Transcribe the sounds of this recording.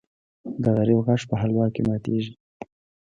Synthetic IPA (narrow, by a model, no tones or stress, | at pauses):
d̪əɣaɾiwɣaʂpəɦalwɑkemɑt̪eʒi